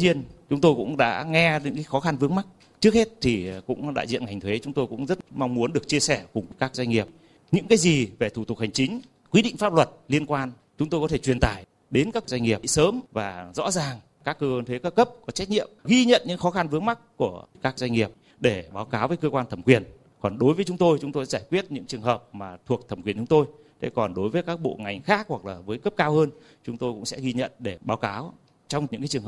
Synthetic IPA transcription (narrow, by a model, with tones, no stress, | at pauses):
ɲi˧ənt͡ɕʊ˨˦ŋ͡mt̪o˧jkʊ̰˧˥ŋ͡mɗa̰ː˧˥ŋɛ˧ɲɨ̰˧˥ŋkaː˨˦jxɔ˨˦xa˧nvɨ˨˦əŋma˦˥k̚ | t͡ɕɨ˦˥ək̚he˦˥t̚t̪ʰi˨˩kʊ̰˧˥ŋ͡mɗa̰ː˧˨jzḭ˧˨ənŋa˨˩jŋ̟t̪ʰwe˨˦t͡ɕʊ˨˦ŋ͡mt̪o˧jkʊ̰˧˥ŋ͡mzə˦˥t̚ma˧wŋ͡mmu˨˦ənɗɨ˨˩ək̚t͡ɕi˧əsɛ˧˩kʊ˨˩ŋ͡mkaː˦˥k̚zwa˧ŋi˨˩əp̚ | ɲɨ̰˧˥ŋkaː˨˦jzi˨˩ve˨˩t̪ʰu˧˩t̪ʊ˨˩k̚ha˨˩jŋ̟t͡ɕï˨˦ŋ̟ | kwi˨˦˥ɗḭ˧˨ŋ̟faː˦˥p̚lwə˨˩t̚li˧ənkwaː˧n | t͡ɕʊ˨˦ŋ͡mt̪o˧jkɔ˨˦t̪ʰe˧˩t͡ɕwi˨˩ənt̪a̰ː˧˩˨j | ɗe˨˦nkaː˦˥k̚zwa˧jŋŋi˨˩əpsəː˨˦mvaː˨˩zɔ̰˧˥zaː˨˩ŋ | kaː˦˥kːəː˧t̪ʰe˨˦kaː˦˥kə˦˥p̚kɔ˨˦t͡ɕɛ˦˥jk̚ɲḭ˧˨əmɣi˧ɲə̰˧˨nɲɨ̰˧˥ŋxɔ˨˦xa˧nvɨ˨˦əŋma˦˥k̚ːu˧˩əkaː˦˥k̚zwjŋ̟ŋi˨˩əp̚ | ɗe˧˩ɓaː˨˦wkaː˨˦wvə˨˦jkəː˧kwaː˧nt̪ʰə˧˩mkwi˨˩ən | kɔ˨˩nɗo˨˦jvəː˨˦jt͡ɕʊ˨˦ŋ͡mt̪o˧jt͡ɕʊ˨˦ŋ͡mt̪o˧jzaː˧˩jkwi˦˥ət̚ɲɨ̰˧˥ŋt͡ɕɨ˨˩əŋɦəː˨˩p̚maː˨˩t̪ʰu˨˩ək̚t̪ʰə˧˩mki˨˩ənt͡ɕʊ˨˦ŋ͡mt̪o˧j | t̪ʰḛ˨˦kɔ˨˩nɗo˨˦jvəː˨˦jkaː˦˥k̚ɓo̰˧˨ŋa˨˩jŋ̟xaː˦˥k̚hwa˨˩k̚laː˨˩vəː˨˦jkə˦˥p̚kaː˧whəː˧n | t͡ɕʊ˨˦ŋ͡mt̪o˧jkʊ̰˧˥ŋ͡msɛ̰˧˥ɣi˧ɲə̰˧˨nɗe˧˩ɓaː˨˦wkaː˨˦w | t͡ɕɔ˧wŋ͡mɲɨ̰˧˥ŋkaː˨˦t͡ɕɨ˨˩ŋ˨˩